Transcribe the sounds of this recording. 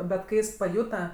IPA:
bʲɛt ˈkɐɪ ˈjɪs pɐˈjuːtɐ

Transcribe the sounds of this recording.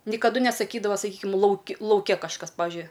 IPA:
nʲɪkɐˈdʊ nʲɛsɐˈkʲiːdɐʋɐ sɐˈkʲiːkʲɪm ˈlˠɐʊkʲɪ lˠɐʊˈkʲɛ kɐʃˈkɐs ˈpɑːʋʲɪʒʲʊɪ

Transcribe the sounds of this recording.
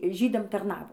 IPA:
ˈʒʲiːdɐm tɐrˈnɑːʋoː

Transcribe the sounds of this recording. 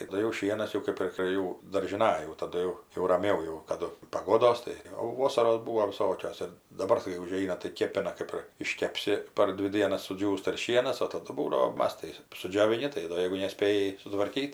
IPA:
tɐˈdʊ jɛʊ ˈʃʲiɛnɐs jɛʊ ˈkɐɪp ɪr pʲrʲeː ˈjuː dɐrʲʒʲɪˈnɐj jɛʊ tɐˈdʊ jɛʊ rɐˈmʲɛʊ jɛʊ kɐˈdʊ pɐˈɡoːdoːs tɐɪ ˈjɛʊ ˈʋoːsɐroːs ˈbuːʋoː ʋʲɪˈsoːkʲoːs ˈɪr dɐˈbɐr kɐɪ ʊˈʒʲɛɪnɐ tɐɪ ˈkʲeːpʲɪnɐ ˈkɜp ɪr ɪʃʲkʲɛpʲˈsʲɪ pɐr ˈdʲʋʲɪ ˈdʲiɛnɐs sʊˈd͡ʒʲuːstɐ ɪr ˈʃʲiɛnɐs oː tɐˈdʊ ˈbuːdɐʋoː ˈmɐs tɐɪ sʊd͡ʒʲoːʋʲɪˈnʲɪ tɐɪ ˈdoː ˈjɛɪɡʊ nʲɛˈsʲpʲeːjɪ sʊtʋɐrʲˈkʲiːt

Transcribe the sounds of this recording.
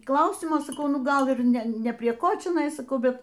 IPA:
ˈklˠɐʊsʲɪmoː sɐˈkɐʊ ˈnʊ ˈɡɐlˠ ˈɪr ˈnʲɛ ˈnʲɛ pʲrʲiɛ ˈkoː t͡ʃʲɛˈnɐɪ sɐˈkɐʊ bʲɛt

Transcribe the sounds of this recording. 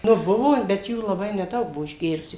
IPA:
nʊ ˈbʊʋoː bʲɛt ˈjuː lˠɐˈbɐɪ nʲɛˈdɐʊk ˈbuɔ ɪʒʲˈɡʲeːrʊsʲuː

